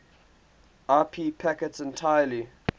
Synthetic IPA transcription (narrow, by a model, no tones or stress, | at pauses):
aːpʰiːpʰækɛtsɛ̃ntʰajəli